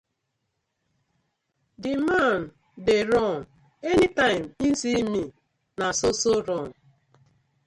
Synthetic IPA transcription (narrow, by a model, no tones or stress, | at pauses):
dɪman̩ | deɾɔn̩ | enitaɪm̩isimi | nasosoɾɔn̩